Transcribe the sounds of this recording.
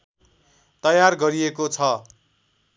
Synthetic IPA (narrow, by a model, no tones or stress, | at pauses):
t̪ʌjarɡʌɾiekot͡sʰʌ